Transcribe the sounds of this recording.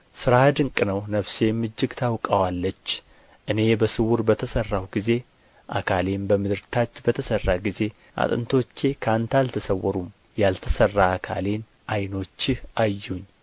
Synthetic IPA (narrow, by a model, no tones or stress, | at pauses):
sɨɾad̪ɨŋkʼɨnəwnəβse̞mːɨd͡ʒːɪɡt̪ʰawkʼəwalːət͡ʃː | ʔɨne̞bəsɨwuɾbət̪ʰəsərːawɡize̞ | ʔa̰kʰale̞nbəmɨd̪ɨɾt̪ʰat͡ʃːbət̪ʰəsərːaɡize̞ | ʔa̰t̪ʼɨ̰nt̪ʰo̞t͡ʃːe̞kʰant̪alt̪ʰəsəwːɔɾum | jalt̪ʰəsərːaːkʰa̰le̞n | ʔajno̞t͡ʃːɪhʔajːuɲː